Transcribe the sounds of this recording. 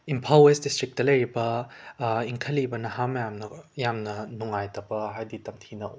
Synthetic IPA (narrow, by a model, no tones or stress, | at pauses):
impʰalesdistɾik̚tɐlɐjɾibɐ | iŋkʰɐlibɐnɐɦamɐjamnɐjamnɐnuŋajtʰɐbɐɦajditɐmtʰinɐ̰